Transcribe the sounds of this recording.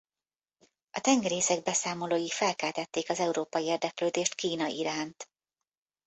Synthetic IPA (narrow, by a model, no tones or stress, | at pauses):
ɒt̪ɛŋɡɛɾeːsɛɡ̚bɛsaːmo̞loːjifɛlkɛlt̪ɛt̪ːeːkɒzɛuɾoːpɒjieːrd̪ɛkløːd̪eːʃt̪kiːnɒʔiɾaːnt̪